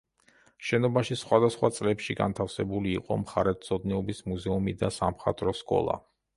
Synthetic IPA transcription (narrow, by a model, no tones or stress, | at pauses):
ʃɛnɔbaʃisχwad̪asχwat̪sʼlɛpʃiɡa̰nt̪ʰafsɛbuliːqʼɔ̰mχaɾɛt̪sʰɔd̪nɛɔbismuzɛumid̪asamχa̰t̪ʼɾɔskʼɔ̰lˠa̰